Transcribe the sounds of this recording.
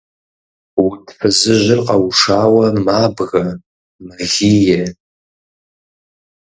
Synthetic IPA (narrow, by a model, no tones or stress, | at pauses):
wʊdʰfɨzɨʑʷɪrqʼɐwʂaːwɐmaːbɣɐ | mɐɣʲiːjɛ